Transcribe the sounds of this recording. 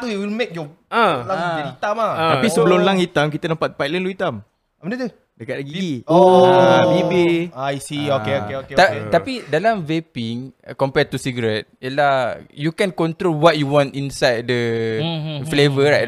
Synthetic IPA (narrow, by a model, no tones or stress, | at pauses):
t̪uiwilmek̚jɔm | ãaiit̪amãt̪apisəbəlʊmlãŋhit̪amkit̪ənãmpat̪̚pajtlə̃nluit̪am | mədət̪u | dəkat̚laɡiiobibiajsiokeokeoet̪at̪apidalãmvepiŋkɔmpɛt̪usiɡəɾɛt̚jiəlahjukɛ̃nkɔ̃nt̪ɾolwɔt̚juwɔ̃ntĩnsajd̚də | flevəɹaj